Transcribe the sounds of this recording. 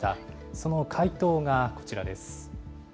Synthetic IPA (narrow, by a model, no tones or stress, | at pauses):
t̪a | so̞no̞kʰait̪o̞ːŋako̞̥t͡ɕiɾad̪e̞sɨ̥